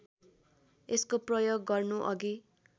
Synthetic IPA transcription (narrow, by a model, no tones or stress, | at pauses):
eskoprʌjoɡːʌrnuʔʌɡi